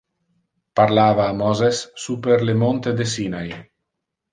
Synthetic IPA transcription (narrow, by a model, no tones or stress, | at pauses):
paɾlaːvaːmɔzesːupeɾlemont̪ed̪es̬inaj